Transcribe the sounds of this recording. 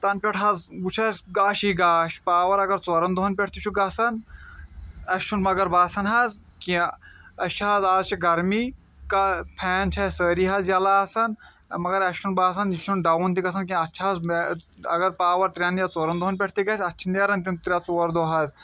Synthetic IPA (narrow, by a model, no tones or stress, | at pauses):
t̪ɐnpʲeʈʰɦɐzbut͡ʃʰɐsʲɡaːʃiːɡaːʃpaːʋɐɾɐɡɐɾt͡soːɾɐnd̪oɦɐnpʲɛʈʰt̪it͡ʃʰuɡɐsɐn | ɐst͡ʃʰunmɐɡɐɾbaːsɐnɦɐz | kĩɐt͡ʃʰɦɐzaːzt͡ʃʰiɡɐɾmiː | kɐpʰɛːnt͡ʃʰɐsəːɾiɦɐzjalaːsɐn | mɐɡɐɾɐst͡ʃʰunbaːsɐnit͡ʃʰunɖɐwunt̪̬iɡɐs̬ʰɐnkĩɐtːt͡ʃʰiɦɐzmɐ̰ɡɐɾpaːʋɐɾt̪ɾʲjaːnjat͡soːɾɐnd̪oɦɐnpʲɛʈʰt̪iɡɐsʲɐtːt͡ʃʰineɾɐnt̪̬int̪ɾʲat͡soːɾd̪oɦɐz